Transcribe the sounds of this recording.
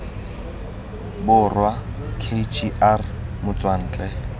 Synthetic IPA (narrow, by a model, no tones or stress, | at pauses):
bʊrwakʰet͡ʃʰʼiʔarmʊt͡sʼwan̩ːt͡ɬʼɛ